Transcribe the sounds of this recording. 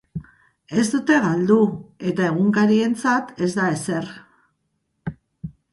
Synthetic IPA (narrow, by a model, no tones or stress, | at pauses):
e̞zd̪ut̪e̞ɣald̪ue̞t̪ae̞ɣ̞uŋkaɾie̞nt͡sat̪e̞zd̪ae̞se̞r